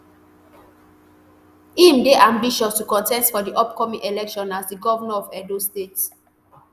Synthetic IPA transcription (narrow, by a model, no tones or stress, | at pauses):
ĩmdeʔãmbiʃɔstukɔ̃ntɛstfɔdiʔɔpkɔmĩŋʔelɛkʃɔ̃nasdiɡɔvanaɔvɛdostets